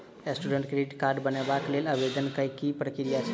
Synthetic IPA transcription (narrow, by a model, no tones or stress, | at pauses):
esʈuɖə̃ɳʈkɾeiʈkaɾɖbənebakleləbed̪ənkəjkipɾəkɾijat͡ʃʰ